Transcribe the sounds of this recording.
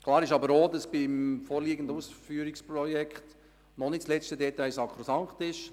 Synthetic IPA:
klˠɑːɾɪʃɑbəɾoːdɑsb̥imfoːɾliːɡən̩dusfyːɾɪkspɾɔjɛkχt | nɔnɪtslɛt͡stədɛtaɪsɑkχɾosɑŋχtɪʃ

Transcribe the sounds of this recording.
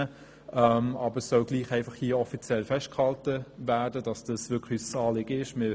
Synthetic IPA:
ə | ʔɛmɑbəɾsːɔlɡliːχæɪnfɑχhiːɔfit͡sjɛlfɛʃt̚khɑltəvæːdədɑsd̥ɑsʋʏkχysəsɑːlɪɡ̥əɪʃmɪ

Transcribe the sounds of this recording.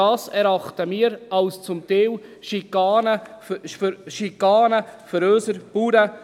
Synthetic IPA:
ɑːsɛɾɑχtəmiːɾɑlst͡sʊmt̪ɛwʃikɑːnə | ʃikɑːnəfəɾøːsəɾb̥uːɾə

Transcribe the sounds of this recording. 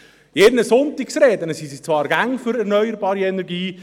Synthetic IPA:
jɛɾnəsʊnt̪iksɾɛːd̪ənəsisit͡svɑːɾɡaŋfʏɾɛɾnœʏjəɾbɑːɾiɛnɛɾɡiː

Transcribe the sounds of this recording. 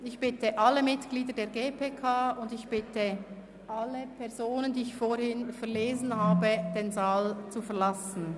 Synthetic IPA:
ɪçb̥ɪtəʔaləmɪtɡ̥liːdədeːɐɡeːpʰeːkʰaːʊndɪçb̥ɪtə | ʔaləpʰɛɐzoːnəndiːɪçfoɾhɪnfɛɐleːzn̩haːbəd̥eːnzaːlt͡sufɛɐlasn̩

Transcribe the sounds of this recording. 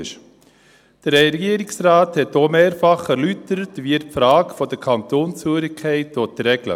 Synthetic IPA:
ʃ | d̥əɾɛɡiːəɾɪksɾaːthɛtːoːmeːɾfɑχæɾlytəɾətʋiːəfɾɑːɡfɔdəɾkʰɑnt̪oːnsføːɾɪkʰːɛɪtotɾɛɡlə̰

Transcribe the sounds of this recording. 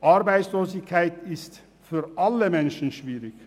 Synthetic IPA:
ʔaʁbaɪsloːsɪçkʰaɪtɪst | fyːʁʔaləmɛnʃn̩ʃviːʁɪç̥

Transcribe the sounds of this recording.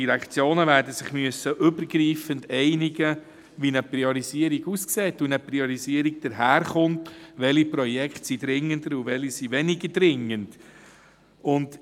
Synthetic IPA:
iɾækχt͡sjoːnəvæːɾdəsɪχmyəsːəʔʏbəɾɡɾiːfəndɛɪniɡə | ʋinəpɾiɔɾiziəɾiɡuskseːtunəpɾiɔɾiziəɾiɡ̚d̥əɾɦæːɾχʊntʋɛlipɾɔjɛkχtsid̪ɾɪŋəndəɾuʋɛlisiʋɛnɪɡədɾɪŋːənd̥ | ʊnd

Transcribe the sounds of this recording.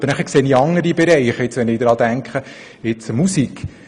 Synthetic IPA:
əɾnæχəkseːniɑŋəɾibɛɾɛɪχɪt͡sʋɛnɪd̥̪ɾɑːd̪æŋkχə | ɪt͡səmusik

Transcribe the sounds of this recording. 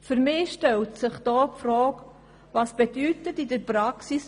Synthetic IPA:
fyɾmɪːʃtɛltsɪχd̥ɔːpfɾɔːk | vɑsb̥edyːtətidəɾpɾaksis

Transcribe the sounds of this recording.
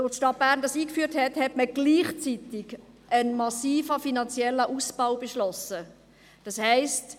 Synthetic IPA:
otʃtɑt̚b̥æːʁɾndɑsiːkfyːɾthɛthɛtməɡ̥liːχt͡sit̪ɪɡ | ʔənmɑsiːfəfinɑnt͡sjɛlːəʔusb̥aʊbeʃlɔsə | d̥ɑshɛɪst

